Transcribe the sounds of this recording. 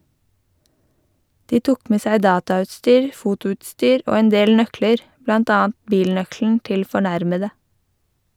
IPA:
ˈdiː ˈtʊk ˈmeː ˈsæɪ ˈdɑːtɑˌʉːtstyːɹ ˈfʊtʊʉːtˌstyːɾ ˈoː ˈeːn ˈdeːl ˈnœkləɾ ˈblɑnt ˈɑːɑn ˈbiːlˌnœkln̩ ˈtɪl fɔˈɳæɾmədə

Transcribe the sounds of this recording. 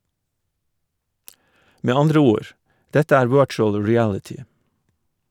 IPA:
ˈmeː ˈɑndɾə ˈuːɹ ˈdɛtə ˈæːɾ ˈʋɜːt͡ʃʊl ɹɪˈælɪtɪ

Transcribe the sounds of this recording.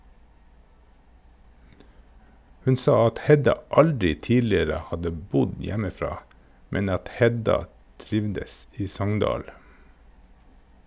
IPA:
ˈhʉn ˈsɑː ˈɑt ˈhɛdɑ ˈɑldɾɪ ˈtiːlɪɾə ˈhɑdə ˈbʊd ˈjæməˌfɾɑː ˈmɛn ˈɑt ˈhɛdɑ ˈtɾɪʋdəs ˈiː ˈsɔŋndɑːl

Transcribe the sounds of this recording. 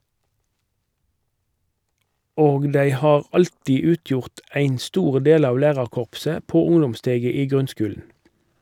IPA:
ˈoːɡ ˈdæɪ ˈhɑːʁ ˈɑltiː ˈʉːˌtjʊʁt ˈæɪn ˈstuːʁ ˈdeːl ˈɑːʋ ˈlæːʁɑʁˌkɔʁpsə ˈpoː ˈʊŋdɔmˌsteːɡə ˈiː ˈɡʁʉnˌskʉːln̩

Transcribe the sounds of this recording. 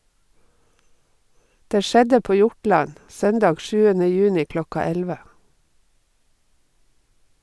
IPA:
ˈdeː ˈʃɛdə ˈpoː ˈjʊʈɭɑn ˈsœndɑːɡ ˈʃʉːənə ˈjʉːnɪ ˈklɔkɑ ˈɛlʋə

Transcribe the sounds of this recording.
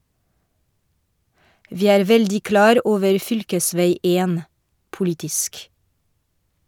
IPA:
ˈʋiː ˈæːɾ ˈʋɛldɪ ˈklɑːɾ ˈʔoːʋəɹ ˈfʏlkəˌsʋæɪ ˈeːn pʊˈlɪtɪsk

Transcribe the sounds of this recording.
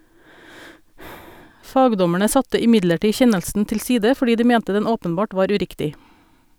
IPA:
ˈfɑːɡdɔmæɳə ˈsɑtə ɪˈmɪɟləˌʈiː ˈçɛnəlsn̩ tɪlˈsiːdə fɔˈɖiː ˈdiː ˈmɛntə ˈdɛn ˈoːpənˌbɑːʈ ˈʋɑːɾ ʉˈɾɪktɪ

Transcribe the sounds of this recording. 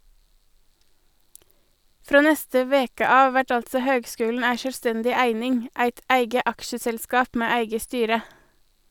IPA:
ˈfɾoː ˈnɛstə ˈʋeːkə ˈɑːʋ ˈʋæʈ ˈɑltsɔ ˈhøːɡˌskʉːln̩ ˈæɪ ʃœlˈstɛndɪ ˈæɪnɪŋ ˈæɪt ˈæɪɡə ˈʔɑkʃəsɛlˌskɑːp ˈmeː ˈæɪɡə ˈstyːɾə

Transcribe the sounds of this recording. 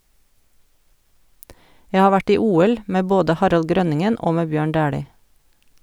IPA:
ˈjæ ˈhɑː ˈʋæʈ ˈiː ˈuːɛl ˈmeː ˈboːdə ˈhɑɾɑl ˈɡɾœnɪŋən ˈoː ˈmeː ˈbjøːɳ ˈdæːɽiː

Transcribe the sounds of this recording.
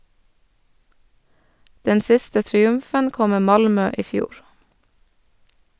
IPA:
ˈdɛn ˈsɪstə tɾɪˈʉmfən ˈkɔ ˈmeː ˈmɑlmœ ˈiː ˈfjuːɾ

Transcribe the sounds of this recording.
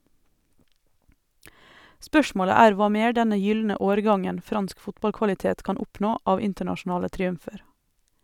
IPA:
ˈspœʃmoːlə ˈæːɾ ˈʋɑː ˈmeːɾ ˈdɛnə ˈjʏlnə ˈoːɾˌɡɑŋən ˈfɾɑnsk ˈfʊtbɑlkʋɑlɪˌteːt ˈkɑːn ˈʊpnoː ˈɑːʋ ˈɪntəɳɑʃʊˌnɑːlə tɾiːʉmˈfeːɾ

